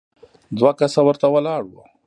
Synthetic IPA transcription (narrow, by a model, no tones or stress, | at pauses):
d̪wakasawəɾt̪awalɑɽwa̰